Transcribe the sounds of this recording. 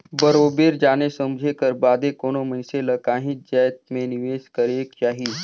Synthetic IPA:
bəɾoːbeːɾd͡ʒaːnesɐmd͡ʒʱekəɾbaːd̪ekoːnomənseləkaːɦɪ̃t̪̚d͡ʒajt̪mẽnɪʋeːskəɾeːkt͡ʃaːɦiː

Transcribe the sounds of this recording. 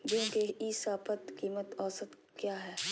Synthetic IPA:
d͡ʒũːkeiːsaːpət̪kiːmət̪ɔːsət̪ | kjaːɦɛː

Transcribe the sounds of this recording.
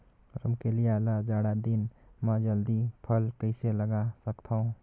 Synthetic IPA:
ɾəmkelijalad͡ʒaːɽad̪ɪnmɛ̃d͡ʒəld̪ipʰəlkəɪseləɡasəkt̪ʰaũ

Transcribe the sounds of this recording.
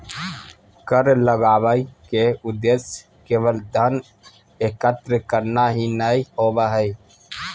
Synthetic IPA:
kəɾləɡaːʋəikeʊd̪esj | keːʋəld̪ʱən | ekət̪ɾəkəɾnaɦinəihoːbəɦəi

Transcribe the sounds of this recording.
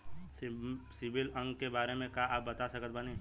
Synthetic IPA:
sɪbɪlə̃ŋɡkebaːɾemẽkaʔaːp̚bɐt̪asɐkət̪̚bənẽː

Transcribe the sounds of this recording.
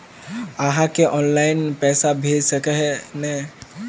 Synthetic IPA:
aɦãkeʔɔːnlaɪnpɛːsabʱeːd͡ʒsəkeɦɛnɛ

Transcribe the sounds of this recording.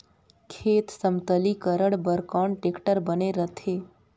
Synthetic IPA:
kʰeːt̪səmt̪əlikəɾəɽbəɾkɔːɳʈekʈəɾbəneɾət̪ʰeː

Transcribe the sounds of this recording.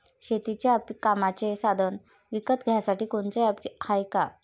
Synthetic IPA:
ɕet̪it͡ɕjapikamat͡ɕesad̪ʱən | ʋikət̪ɡʱjasaʈiːkoɳt͡səjapihajka

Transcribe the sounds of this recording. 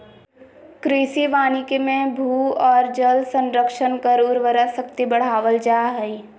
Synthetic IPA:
kɾisiʋaːnikemẽbʱuːɔːɾd͡ʒəlsə̃nɾəkʃənkəɾʊɾʋəɾasəkt̪ibəɽ̤aːʋəld͡ʒaːɦɛi

